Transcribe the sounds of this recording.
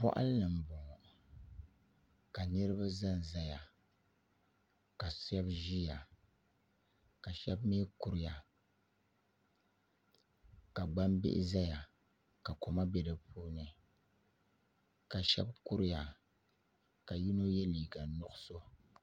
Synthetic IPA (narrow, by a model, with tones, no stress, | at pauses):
pɔ̰˦ʔa̰˦lnɨ˨m̩˨bɔ˨ŋ˨ | ka˨nɨ˦ɾɨ˦ba˦za˦n˨za˦ja˨ | ka˨sɛ˦bʒi˦ja˨ | ka˨ʃɛ˦bmeː˦ku˦ɾɪ˦ja˨ | ka˨ɡ͡ba˦mbɪ̰˦ʔɪ̰˦za˦ja˨ | ka˨ko˨ma˦bɛ˦dɨ˨pʰuː˦nɨ˨ | ka˨ʃɛ̰˦bku˦ɾɪ˦ja˨ | ka˨ji˦no˦jɛ˦liː˨ɡa˨nʊ˦ʔʊ˦so˦